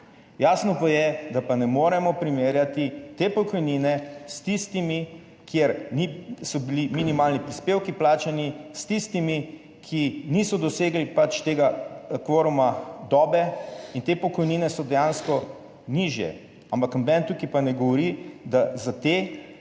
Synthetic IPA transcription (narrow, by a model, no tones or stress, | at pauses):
jaːsnɔpajɛd̪apanɛmoːɾɛmɔpɾimeːɾjat̪it̪eːpɔkɔjninɛst̪ist̪imi | kʰjeɾnisɔbiliminimaːlnipɾispeːwkiplaːt͡ʃanist̪ist̪imi | kʰinisɔd̪ɔseːɡlipat͡ʃt̪eːɡakʋoːɾumad̪ɔːbɛint̪eːpɔkɔjniːnɛsɔd̪ɛjãnskɔ | niʒjɛ̰ | ampaknabɛnt̪ukipanɛɡɔʋɔɾid̪azat̪eː